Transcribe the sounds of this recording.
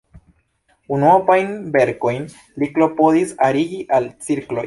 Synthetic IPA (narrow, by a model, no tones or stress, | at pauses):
unopajnbe̞ɾko̞jn | liklo̞po̞ðisaɾiɡiʔalt͡siɾklo̞̰j